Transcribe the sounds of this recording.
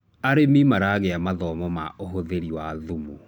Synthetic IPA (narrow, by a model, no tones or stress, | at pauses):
aɾemimaɾaɣɛamaðɔmɔmaoɦoðeɾiwaðumu